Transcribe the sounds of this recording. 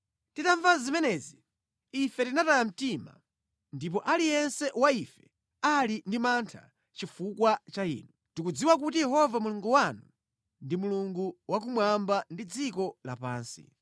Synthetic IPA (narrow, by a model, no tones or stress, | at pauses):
titaɱvazimɛnɛzi | ifɛtinatajam̩tima̰ | ndip̬ɔʔalijɛnsɛwaifɛ | alindimantʰa̰ | t͡ʃifukwat͡ʃaḭːnu | tikud͡ziwak̬utijɛɦɔvamuluŋɡuwanu | ndimuluŋɡuwak̬umwambandid͡zikɔla̰pa̰ːnsḭ